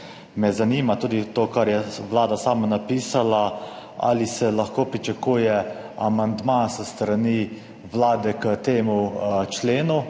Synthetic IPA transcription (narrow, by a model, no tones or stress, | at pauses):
mɛzaniːmat̪uːd̪it̪oːkaɾjɛʋlaːd̪asaːmanapiːsala | a̰lisɛlaxkoːpɾit͡ʃakuːjɛ | amand̪masəst̪ɾani | ʋlaːd̪ɛkət̪eːmut͡ʃleːnu